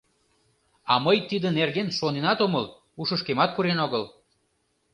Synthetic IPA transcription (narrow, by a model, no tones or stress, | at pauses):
ɑməjt̪id̪ənerɣenʃonenɑt̪oməl | uʃəʃkemɑt̪̚puɾenoɣəl